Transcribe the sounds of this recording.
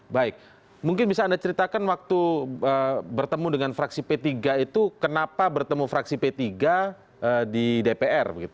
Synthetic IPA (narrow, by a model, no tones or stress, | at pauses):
baɪk̚ | muŋkɪnbisaːndat͡ʃəɾit̪akanwak̚t̪uəbərt̪əmudəŋanfɾaksipet̪iɡait̪ukənapabərt̪əmufɾaksipet̪iɡa | ədidepeʔɛrbəɡit̪u